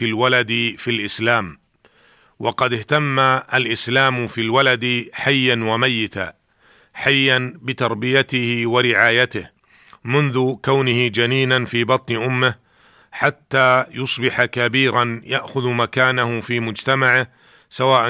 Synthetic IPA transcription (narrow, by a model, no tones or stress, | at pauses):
ɪlwalad̪filʔɪslaːm | wɑqɑd̪ɪht̪amːaʔalʔɪslaːmfiːlwalad̪ħajːanwamajːɪt̪a̰ː | ħajːanbɪt̪ɑɾˤbɪjat̪ɪhɪwaɾɪʕaːjat̪ɪh | mʊnðʊkawnɪhɪd͡ʒaniːnanfiːbɑt̪ˤnɪʔʊmːɪh | ħat̪ːaːjʊsˤbɪħakabiːɾanjaʔxʊðmakaːnahʊfiːmʊd͡ʒt̪amaʕɪh | sawaːʔa